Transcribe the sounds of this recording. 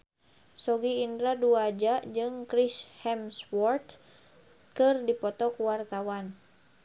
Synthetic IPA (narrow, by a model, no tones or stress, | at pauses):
sɔɡiːndɾaduad͡ʒad͡ʒɨŋkɾishɛmswɔrt̪ | kɨrdipɔt̪ɔkwart̪awan